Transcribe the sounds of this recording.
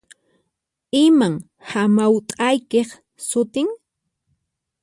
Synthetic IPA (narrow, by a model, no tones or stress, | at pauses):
ɪmaŋ | hamawt̪ʼajkeχ | sʊt̪ɪŋ